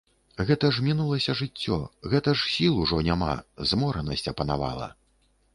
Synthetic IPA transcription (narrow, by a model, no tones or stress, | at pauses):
ɣɛt̪ɐʐmʲinulˠɐsʲɐʐɨt͡sʲːɔɣɛt̪ɐʂsʲilˠuʐɔnʲama̰zmɔɾɐnɐsʲt͡sʲɐpɐnava̰lˠɐ̰